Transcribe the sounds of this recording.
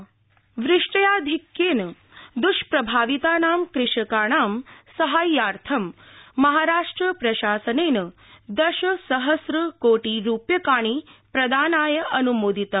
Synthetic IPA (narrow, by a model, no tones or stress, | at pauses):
ʋɾɪʂʈɐjaːd̪ʱikjeːnɐ | d̪uʃpɾɐbʱaːʋit̪aːnaːmkɾɪʂɐkaːɳaːmsɐɦaːjaːɾt̪ʰɐmːɐɦaːɾaːʂʈɾɐpɾɐʃaːsɐneːnɐ | d̪ɐʃɐsɐɦɐsɾɐkoːʈiːɾuːpjɐkaːɳ̃iːpɾɐd̪aːnaːjɐʔɐnumoːd̪it̪ɐ